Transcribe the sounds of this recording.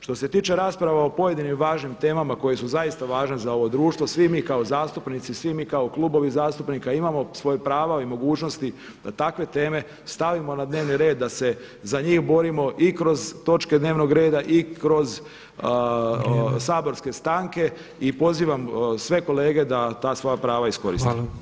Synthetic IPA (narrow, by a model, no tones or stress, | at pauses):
ʃt̪ose̞t̪iːt͡ʃe̞ɾaːspɾaʋao̞po̞je̞d̪inimʋaːʒnimt̪e̞ːmamako̞je̞suzajist̪aʋaːʒnezao̞ʋo̞d̪ɾuːʃt̪ʋosʋimiːkaozaːst̪upnit̪sisʋimiːkaoklˠubo̞ʋizaːst̪upnikaimamo̞sʋo̞jepɾaːʋaimo̞ɡuːt͡ʃno̞st̪i | d̪̥at̪akʋe̞t̪e̞ːme̞ | st̪aʋimo̞nad̪ne̞ʋniɾe̞ːd̪ːase̞ | zaɲiːxbo̞ɾimo̞ʔikɾo̞zt̪o̞t͡ʃke̞d̪neːʋno̞ɡɾe̞ːd̪aʔikɾo̞z | saːbo̞ɾske̞st̪aːŋke̞ | ipo̞ziːʋamsʋe̞ko̞le̞ːɡe̞d̪at̪aːsʋo̞japɾaːʋaisko̞ɾḭst̪i